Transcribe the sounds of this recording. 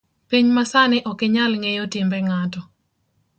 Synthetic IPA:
piɲmasanɪʔɔkɪɲalŋejotɪmbɛŋatɔ

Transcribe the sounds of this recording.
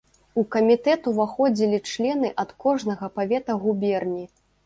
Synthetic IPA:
ukɐmʲit̪ɛt̪uvaxɔd͡zʲilʲit͡ʂlʲɛnɨʔɐt̪kɔʐnɐɣɐpavʲɛt̪ɐɣubʲɛrnʲi

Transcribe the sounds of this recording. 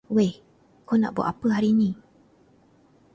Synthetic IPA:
weh | kona̰ʔbua̰ʔapəɦaɾinĩ

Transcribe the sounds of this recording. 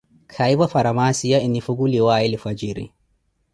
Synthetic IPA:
kʰajbɐfɐɾɐmaːsijaɪnifuɡuliwaːɪlɪfɐd͡ʒiɾḭ

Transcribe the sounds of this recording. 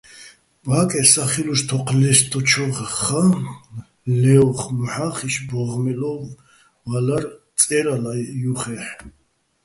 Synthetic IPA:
bakʼɛsaχiluʃt̪ʰɔqʰlɛst̪ʰʼɔt͡ʃʰɔʁχa | lɛwχmħaχiʃbɔʁmɛlɔ | valaɾ | t͡sʼɛɾalajuχɛħ

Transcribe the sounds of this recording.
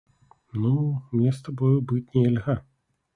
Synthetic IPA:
numnʲɛst̪abɔjɔbɨt͡sʲnʲɛlʲɣa

